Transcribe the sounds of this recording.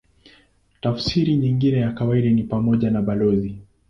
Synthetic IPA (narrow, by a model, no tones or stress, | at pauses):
tafsiɾiɲiŋɡinɛjakawaiɗanipamɔʄanaɓalɔzi